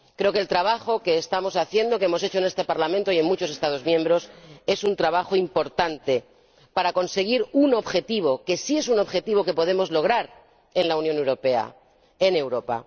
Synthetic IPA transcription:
kɾe̞oke̞lt̪ɾaβaxo̞ke̞ːst̪amo̞saθje̞nd̪o̞kee̞mo̞s̬et͡ʃoe̞ne̞st̪e̞paɾlamẽnt̪oie̞nmut͡ʃo̞s̬e̞st̪að̞o̞zmjẽ̞mbɾo̞se̞sunt̪ɾaβaxoimpo̞ɾt̪ant̪e̞ | paɾako̞nse̞ɣ̞iɾuno̞βxe̞t̪iβ̞o̞ke̞sie̞suno̞βxe̞t̪iβo̞ke̞po̞ð̞e̞mo̞zlo̞ɣ̞ɾaɾ | e̞nlaunjone̞wɾo̞pe̞a̰ | ene̞wɾo̞pa̰

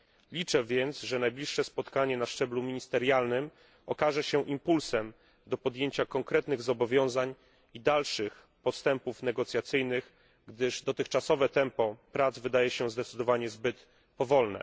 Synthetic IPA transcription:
lʲit͡ʂɛvʲjɛnt̪sʐɛnajblʲiʂːɛspɔt̪kaɲɛnaʂt͡ʂɛblumʲiɲist̪ɛɾjalnɘm | ɔkaʐɛɕɛʔimpulsɛm | d̪ɔpɔd̪jeɲt͡ɕakɔŋkɾɛt̪nɘɣzɔbɔvʲjɔ̃w̃zaɲ | id̪alʂɘx | pɔst̪ɛmpufnɛɡɔt̪sʲjat̪sɘjnɘɣ | ɡd̪ɘʐd̪ɔt̪ɘxt͡ʂasɔvɛt̪ɛmpɔpɾad̪zvɘd̪ajɛɕɛzd̪ɛt̪sɘd̪ɔvaɲɛzbɘt̪ | pɔvɔlnɛ̰

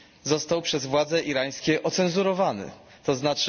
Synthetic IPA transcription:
zɔst̪awpʂɛzvwad̪zɛʔiɾaj̃skʲɛʔɔt̪sɛnzuɾɔvanɘ̰ | t̪ɔznat͡ʂ

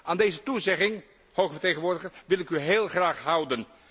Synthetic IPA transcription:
aːndejzətuzɛχɪŋ | howχəəɹteχənʋʊːɹdəχərʋɪlˠɪkyɦeːlˠχraːχɦʌwdən

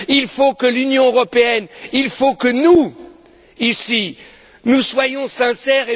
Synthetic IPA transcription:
ilfokəlynjɔ̃øʁɔpeɛnilfokənu | isi | nuswajɔ̃sɛ̃sɛʁe

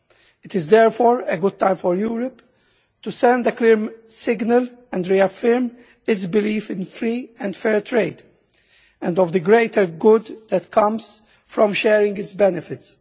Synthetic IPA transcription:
ɪt̪ɪzd̪ɛɾfɔːɹeɡʊd̪̚t̪ãɪ̃mfɔɾjuːɾɔp | t̪usɛ̃nd̪əklɪɾmsɪɡnəlɛ̃ndɾiafɪɾm | ɪsbɪliːfɪ̃nfɾiːɛ̃nd̪fɛːɹt̪ɾeɪd̪ | ɛ̃nd̪ɔvd̪əɡɾeɪt̪ʰəɾɡʊd̪d̪ɛt̪kʰʌ̃mz | fɾɔ̃mʃɛːɾɪ̃ŋɡɪtsbɛnɪfɪt̪s

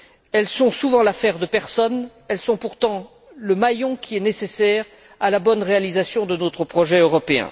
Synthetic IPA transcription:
ɛlsɔ̃suvɑ̃lafɛʁd̪əpɛʁsɔn | ɛlsɔ̃puʁt̪ɑ̃ | ləmajɔ̃kʲʰiɛnesesɛʁ | alabɔnʁealizasjɔ̃d̪ənot̪χəpχɔʒɛøʁɔpeɛ̰̃

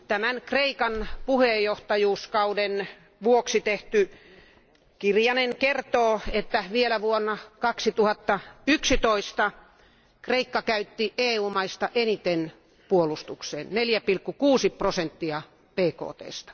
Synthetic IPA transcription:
t̪æmænkreikɑnpuhejjːoht̪ɑjuːskɑuden | ʋuoksit̪eht̪y | kirjɑnenkert̪oːet̪ːæʋielæʋuonːɑkɑksit̪uhɑt̪ːɑyksit̪oist̪ɑ | kreikːɑkæyt̪ːiʔeːuːmɑist̪ɑʔenit̪en | puolust̪ukseːnneljæpilkːukuːsiprosent̪ːiɑ | peːko̰ːt̪ḛːst̪ɑ̥

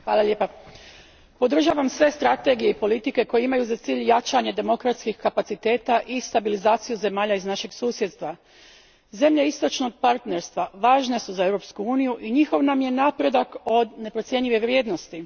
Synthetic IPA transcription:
xʋaːlˠaʎʲepa | po̞d̪r̩ʒaːʋamsʋe̞st̪ɾat̪e̞ɡije̞ipolit̪ike̞ko̞jeimajuzat̪siːʎjat͡ʃaɲe̞d̪e̞mo̞kɾat̪skixkapat̪sit̪e̞ːt̪aʔist̪abilizaːt̪sijuze̞maːʎaiznaʃe̞ɡsuːsje̞d̪st̪ʋa | ze̞mʎeist̪o̞t͡ʃno̞ɡ̚paɾt̪ne̞ɾst̪ʋaʋaːʒne̞suzae̞ʋɾo̞pskuuːnijuʔiɲixo̞ʋnamje̞naːpɾe̞d̪ako̞d̪ne̞pɾo̞t̪sje̞ɲʎiʋeʋɾʲje̞ːd̪no̞st̪i

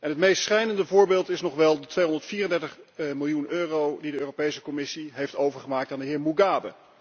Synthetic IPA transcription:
ʔɛnɦətmejstsχɛjnəndəvʊːɹbeːlˠtɪsnɔχʋɛlˠdətʋejɦɔndəɹtfiːrəndɛɹtəχmɪlˠjunøːrowdidəøːropejsəkɔmɪsiɦejftowvəɹχəmaːk̚taːndəɦɪːɹmuɡaːbə̰

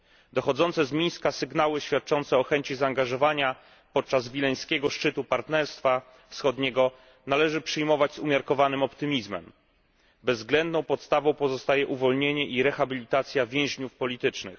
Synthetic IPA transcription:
d̪ɔxɔd̪zɔnt̪sɛzmʲij̃skasɘɡnawɘɕfʲjat̪̚t͡ʂɔnt̪sɛɔxɛɲt͡ɕizaːŋɡaʐɔvaɲa | pɔt̪̚t͡ʂazvʲilɛj̃skʲɛɡɔʂt͡ʂɘt̪upaɾt̪nɛɾst̪fa | fsxɔd̪ɲɛɡɔ | nalɛʐɘpʂɘjmɔvad͡ʑzumʲjaɾkɔvanɘmɔpt̪ɘmʲizmɛ̰m | bɛzːɡlɛnd̪nɔ̃w̃pɔt̪st̪avɔ̃w̃pɔzɔst̪ajɛʔuvɔlɲeɲɛʔiɾɛxabʲilʲit̪at̪sʲjavʲjɛ̃w̃ʑɲufpɔlʲit̪ɘt͡ʂnɘ̰x

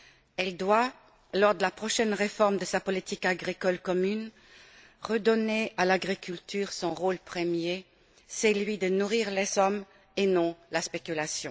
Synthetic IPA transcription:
ɛld̪wa | lɔʁd̪əlapχɔʃɛnʁefɔʁmd̪əsapɔlit̪ikaɡʁikɔlkɔmyn | ʁəd̪ɔnealaɡʁikʲylt̪ʰyʁsɔ̃ʁolpχəmje | sɛlɥid̪ənuʁiʁlɛzɔm | enɔ̃laspekʲylasjɔ̃

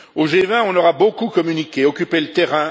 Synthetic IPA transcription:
oʒevɛ̃ɔ̃nɔʁabokukɔmynikʲeɔkʲypelət̪ɛʁɛ̃

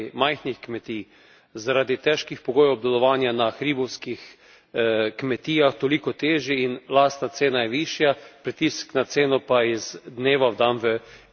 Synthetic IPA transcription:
majxnixkmɛt̪iː | zaɾaːd̪it̪ɛʃkixpɔɡoːjɛwb̚d̪ɛlɔʋaːnjanaxɾiːbɔwskix | kmɛt̪iːaxt̪ɔlikɔt̪eːʒjiinlast̪nat̪seːnajɛʋiːʃjapɾit̪isknat̪seːnɔpaizd̪neːʋawd̪anʋə

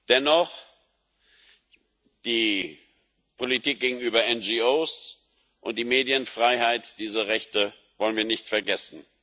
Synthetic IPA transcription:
d̥ɛnɔχ | d̥iː | pʰolitiːk̚ɡ̥eːɡŋ̩yːbɐʔɛnd͡ʒioːs | ʔʊnt̚d̥iːmeːdjənfʁ̥aɪhaɪtd̥iːzɐʁɛçtə | vɔlənviːɐnɪçtfɛɐɡɛsn̩

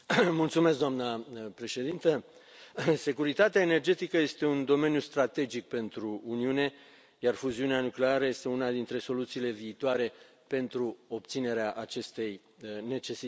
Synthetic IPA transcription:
mult̪sume̞s̬k̬̚d̪oamnəpɾe̞ʃe̞d̪int̪ə | se̞kuɾit̪at̪eaene̞rd͡ʒe̞t̪ikəje̞st̪e̞und̪o̞me̞njust̪ɾat̪e̞d͡ʒik̚pe̞nt̪ɾuːniune̞ | jarfuziuneanukleaɾəje̞st̪e̞unad̪int̪ɾe̞so̞lut̪siːle̞viːt̪oaɾe̞ | pe̞nt̪ɾuo̞p̚t̪sine̞ɾeaʔat͡ʃe̞st̪e̞j | ne̞t͡ʃe̞si

